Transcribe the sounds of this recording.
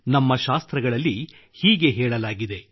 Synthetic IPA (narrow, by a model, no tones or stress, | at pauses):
nɐmːɐʃaːst̪ɾɐɡɐɭɐlːi | hiːɡe̞ɦɛːɭɐlaːɡid̪e̞